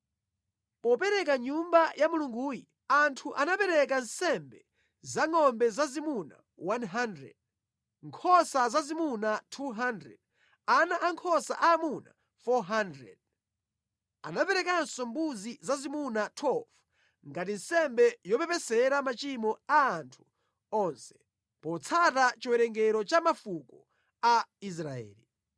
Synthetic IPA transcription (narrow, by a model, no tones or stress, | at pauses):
pɔpɛɾɛkaɲumbajamuluŋɡuːji | antʰuʔanapɛɾɛk̬ansɛmbɛ | zaŋɔmbɛzazimuna̰ | wanɦandɾɛ̰d̚ | ŋkʰɔsazazimunatʰuɦandɾɛ̰d̚ | anaʔaŋkʰɔsa̰ʔaːmuna̰ | fɔɦandɾɛ̰d̚ | a̰napɛɾɛkansɔmbuzizazimunatʰwɛlv | ŋɡatin̩sɛmbɛjɔpɛpɛsɛɾamat͡ʃimɔaːntʰu̥ | ɔnsɛ̥ | pɔt͡sʰatat͡ʃiwɛɾɛŋɡɛɾɔt͡ʃamafukɔ | ais̬ɾaɛ̰ːli